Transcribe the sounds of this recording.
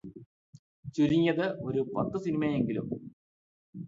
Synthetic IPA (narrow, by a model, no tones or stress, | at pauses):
t͡ɕuɾiŋːɐðɨo̞ɾupɐt̪ːɨsinimɐje̞ŋɡilṵm